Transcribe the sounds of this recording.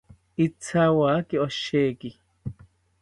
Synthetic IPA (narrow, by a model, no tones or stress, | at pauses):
it͡sʰːaːwaːkiɔʃːeːki